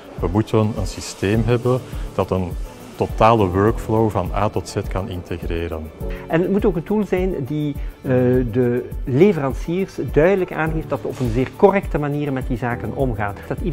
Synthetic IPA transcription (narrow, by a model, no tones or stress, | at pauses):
ʋəmutənə̰nsisteːmɦɛbənd̥ɑtən | totaːləwœɹkflowvɑna̰ːtɔtsɛtkɑnɪntʰeɣreːɾə̰nɛnətmutoːkəntulˠzɛjndi | dəlevərɑnsiːrsdœɥdələkaːnɦeːft̚d̥ɑttɔpənzeːrkɔrɛktəmaniːrmɛt̚dizaːkənʔɔmɣaːnd̥ɑti